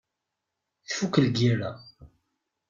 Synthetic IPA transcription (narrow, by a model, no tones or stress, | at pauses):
θfukəlɡiɾa̰